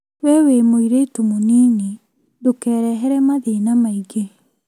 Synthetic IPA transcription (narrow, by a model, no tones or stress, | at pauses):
wɛwemoiɾetumoniːni | dokɛːɾɛɦɛɾɛmaðenamaiɡe